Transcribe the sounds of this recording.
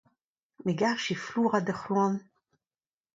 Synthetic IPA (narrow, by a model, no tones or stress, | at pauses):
miɡaʁʃifluʁad̪eχlɔn